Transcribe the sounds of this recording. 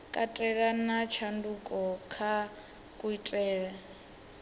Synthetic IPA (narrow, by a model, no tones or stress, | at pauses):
kʼatʼɛɺanat͡ʃʰandukʼɔkʰa | kʼuitʼɛːɺa